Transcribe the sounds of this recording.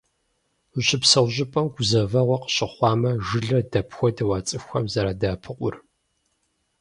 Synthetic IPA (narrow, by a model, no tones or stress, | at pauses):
ɕɪpsɐwʑɪpʼɐmɡʷʊzɐvɐʁʷɔqə̥ɕʼɪχʷɑːmɐʒɨɮɐdɐpʰxʷɔdɐwaːt͡sʼɨxʷɐmzɐɾadaːpʰɨqʷʼʊ̰r